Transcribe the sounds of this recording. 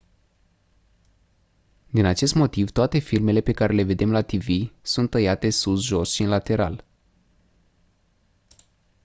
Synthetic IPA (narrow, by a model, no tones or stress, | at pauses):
d̪inat͡ʃe̞s̬t̪mo̞t̪ivt̪oat̪e̞filme̞le̞pe̞kaɾe̞le̞ve̞d̪e̞mlat̪ivisunt̪ːəjat̪e̞susʒosʃiɨnlat̪e̞ɾa̰l